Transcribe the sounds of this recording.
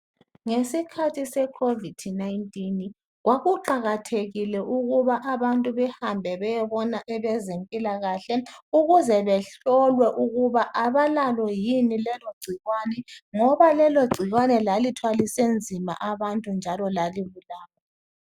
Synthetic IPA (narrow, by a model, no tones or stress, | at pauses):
ŋesikʰatʰisɛkʰovid̥najntʼin | ɣwaɣuǃaɣatʰeɣilɛʔuɣuβaʔaβantʼuβɛhambʱɛβɛjɛβɔnaʔɛβɛzempʼilaɣaɬɛuɣuzɛβɛɬɔlwɛʔuɣuβaʔaβalalɔjinilɛloɡ͡ǀʱiɣwanɛŋɔβalɛloɡ͡ǀʱiɣwanɛlalitʰwalisend͡zʱima̰ʔaβantʼund͡ʒʱalɔlaliβulaːɣa